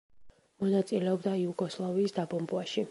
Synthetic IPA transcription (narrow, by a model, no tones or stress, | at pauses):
mɔnat̪sʼilɛɔbd̪aiuɡɔslˠaviːsd̪abɔmbuaʃi